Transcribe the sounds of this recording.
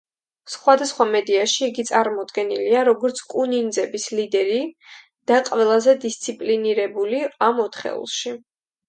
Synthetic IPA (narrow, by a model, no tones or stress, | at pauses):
sχwad̪asχwamɛd̪iaʃiːɡit̪sʼaɾmɔd̪ɡɛniliaɾɔɡɔɾt̪sʰkʼunind̪zɛbislid̪ɛɾi | d̪̥aqʼvɛlˠazɛd̪ist̪sʰipʼliniɾɛbuliamɔt̪ʰχɛ̰ṵlˠʃi